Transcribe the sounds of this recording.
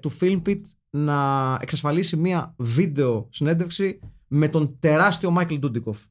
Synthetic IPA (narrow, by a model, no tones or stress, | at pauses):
t̪ufilmpit̪ | nɐe̞ksɐsfɐlisimiɐvid̪e̞o̞sine̞nd̪efksi | me̞t̪o̞nt̪e̞ɾɐst̪io̞mɐkeld̪ud̪iko̞f